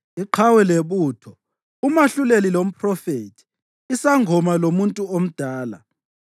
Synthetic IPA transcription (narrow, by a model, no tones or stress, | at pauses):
iǃʰawɛleβuːtʰɔ | umaɬulelilom̩pʰʼrɔfetʰi̥ | isaŋʱɔmalomuntʼuom̩d̥ʱaːla̰